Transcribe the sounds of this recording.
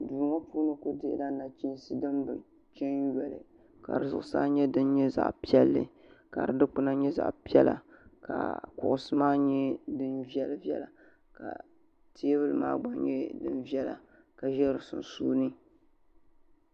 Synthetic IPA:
duː˨ŋa˦puː˦nɨ˦ko˦dɪ˦ʔda˦na˨t͡ʃi˦n˦sɨ˦dɨ˦mbɨ˨ | t͡ʃɛ˦nɥɛ˨lɨ̰˨ | ka̰˨ɾɨ˨zʊ̰˨ʔʊ˨sa̰ː˦ɲɛ˦dɨ˦n˦ɲɛ˦za̰˨ʔpi˦ɛ˦lːɨ̰˨ | ka˨ɾɨ˨dɨ˦k͡pɨ˦na˦ɲɛ˦za̰˨ʔpi˦ɛ˦la̰˨ka̰˨kʊ˨ʔʊ˨sɨ˦maː˦ɲɛ˦dɨ˦nvi˦ɛ˦lvɛ̰˦la˨ | ka̰˨ | ti˦e˦βɨ˦lɨ˨ma̰ː˦ɡ͡ba˨ŋɲɛ˦dɨ̰˦nvjɛ˦la̰˨ | ka˨ʒɛ˦ɾɨ˨sʊ̰˨n˨suː˦nɨ˦

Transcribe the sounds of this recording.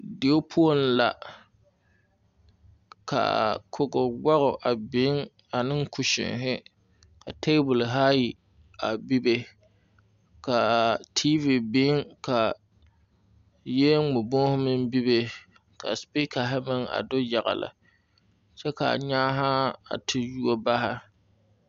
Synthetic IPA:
de˨o˦pʰu˦o˦n˨la˨ | ka̰˨kʰʊ˦ɡʊ˨wa˦ɣʊ˨ʔa˨bɪ˦ŋ | a˨nɨ˦ŋ˦kʊ˨ʃɪ̰˨ŋɦɪ˦ | ka˨te˦bʊ˨lɦa˦ji˨ | a˨bi˦be˦ | ka˨tʰiː˦vi˨bɪ˦ŋka˨ | je˦ŋ͡mʊ˨bo˦hʊ˦mɨ˦mbi˦be˨ | ka̰˨spi˦ka˨ɦɪ˦mɪ˦ŋa̰˨dʊ˦ja˨ɣa̰˨la̰˨ | t͡ʃɛ˦ka˨ɲaː˦ɦa˦a̰˨tʰɪ˦ju˦o˦ba˦ɦa˦

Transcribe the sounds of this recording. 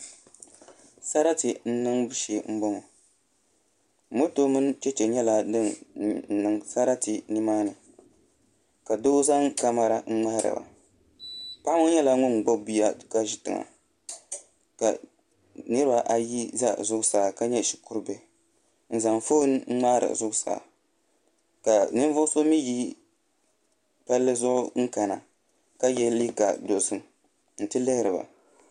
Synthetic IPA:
sa˦ɾa˦tɨ˨n̩˦nɨ˦ŋbɨ˦ʃeː˨ŋ͡m̩˦bɔ˦ŋɔ˨ | mo˦toː˦mɨ˦n˦t͡ʃɛ˦t͡ʃɛ˨ɲɛ˦la˦nɨ˦ŋn̩˨nɨ˦ŋsa˦ɾa˦ti˨nɨ˦maː˦nɨ˨ | ka˨do˦za˦ŋka˦ma˦ɾa˦ŋ͡m̩˦ŋ͡ma˦hɾa̰˨ba̰˨ | pa˦ʔa˦mʊ˦ɲɛ˦la˦ŋʊ˦n˨ɡ͡bo˦bi˦ja˦ka˦ʒi˦tɨ̰˨ŋa̰˨ | ka̰˨ | nɨ˦ɾɨ˦ba˨ʔa˨ji˦za˦zʊ˦ʊ˦saː˨ka˦ɲɛ˦˨ʃi̥˨kʊ˦ɾbɛ˨ | n̩˨za˨ŋfo˦n˦ŋ̩˦ŋ͡ma˦ɾɨ̰˨zʊ˦ɡʊ˦sa̰ː˨ | ka˨nɨ˦n˦vʊ˦so˦mi˦ji˦ | pa˦lːɨ˦zʊ˦ʔʊ˦ŋ̩˦ka˨na˨ | ka˦jɛ˦li˦ka˨do˨sɨ˦m | n̩˨tɨ˦lɨ˦hɪ˦ɾɨ˨ba̰˨

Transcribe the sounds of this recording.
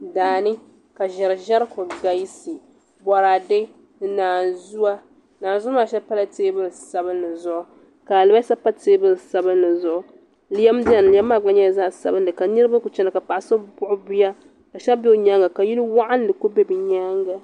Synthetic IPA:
daː˨nɨ˦ | ka˨ʒɛ˨ɾɨ˨ʒa˦ɾkʊ˨ɡa˨˦si˨ | bɔ˨ɾa˨de˦˨ | naː˨zu˦a˦ | naː˨n˨zʊ˦aː˦˨ʃɛ˦pa˦la˦teː˦bɨ˦lsa˦bɨ˦nːɨ˨zʊ˦ʔʊ˦ | ka˨lɨ˦ba˦sa˦pa˦teː˦bɨ˦˨sa˦bɨ˦nːɨ˨zʊ˦ʔʊ˦ | li˦jɛ˦mdɛ˦˨n˨li˨jɛ˦mːaː˦˨ɡ͡ba˦ɲɛ˦za˦˨sa̰˨bɨ˦ndɨ˨ka˨nɨ˦ɾɨ˦ba˦ku˨t͡ʃɛ˦na˨ka˨pa˨ʔa˨sɨ˦bʊ˦ʔʊ˦bi˦ja˦ | ka˨ʃɛ˦bi˦o˦ɲa˦ŋɡa˨ka˨ji˦nɨ˦wa˦ʔa˦n˦dɨ˨ko˦bɛ˦bɨ˨ɲa˦ŋɡa˨

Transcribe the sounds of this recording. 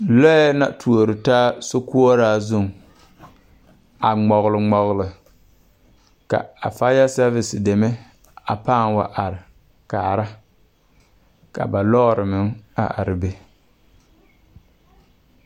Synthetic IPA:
lɔ˦na˦tʰu˨o˨ɾɨ˨taː˦so˦ku˦ɔ˦ɾaː˦zʊ˦˨ŋ | a˨ŋ͡mɔ˨ɣlɨ˨ŋ͡mɔ˨ɣlɨ˨ | ka̰˨a̰˨fa˦ja˦sa˦vɪ˨sɪ˨de˨mɛ˦ | a˨paː˦˨nwa̰˨ʔa˨ɾɪ˨ | ka̰ː˨ɾa˦ | ka̰˨ba˨lɔ˦ɾɨ˨mɪ˨ŋa̰˦˨ʔa̰˨ɾɪ˨be˦

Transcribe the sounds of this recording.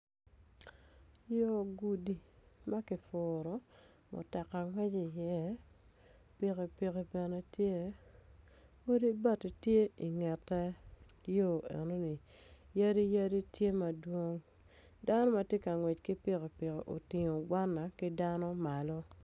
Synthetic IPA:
jo˦˨ɡu˨di˨ma˦kɪ˨fʊ˨ɾɔ˨ | mʊ̰˨tɛ˨ka˨ŋwɛ˦d͡ʒi˨jɛ˦ | pi˨ke˨pi˨ke˨bɛ˨nɛ˨tje˦ | o˦di˦ba˦ti˨tje˦i˨ŋɛ˨tːɛ˦ | jo˦˨ḛ˨no˦ni˨ | ja˦ɾi˦ja˦di˦tje˦ma˨dwo˦ŋ | da˦nɔ˦ma˨tje˦ka˨ŋwɛ˨t͡ʃkɪ˦pɪ˦ke˨pɪ˨ke˨ʔo̰˨tɪ˨ŋo˨ɡwa˦nːa˨kɪ˦da˦nɔ˦ma˨lɔ˦

